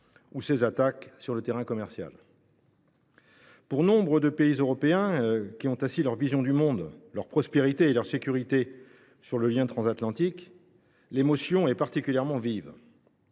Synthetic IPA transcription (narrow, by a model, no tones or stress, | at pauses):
usezat̪aksyʁlət̪eʁɛ̃kɔmɛʁsja̰l | puʁnɔ̃bʁəd̪əpeizøʁɔpeɛ̃kʲiɔ̃t̪ɛ̃silœʁvizjɔ̃d̪ymɔ̃d̪lœʁpχɔspeʁit̪eːlœʁsekʲyʁit̪e | syʁləljɛ̃t̪χɑ̃zat̪lɑ̃t̪ik | lemɔsjɔ̃ɛpaʁt̪ikʲyljɛʁmɑ̃viv